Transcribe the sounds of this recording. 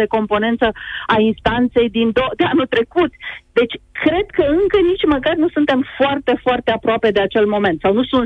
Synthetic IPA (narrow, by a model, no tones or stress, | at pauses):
e̞ko̞mpo̞ne̞nt̪səainst̪ant̪se̞jd̪ind̪od̪eanut̪ɾe̞kut̪d̪e̞t͡ʃʲkɾe̞d̪kəɨŋkənit͡ʃʲməkarnusunt̪e̞mfoart̪e̞foart̪e̞apɾoape̞d̪e̞at͡ʃe̞lmo̞me̞nt̪sawnusunt̪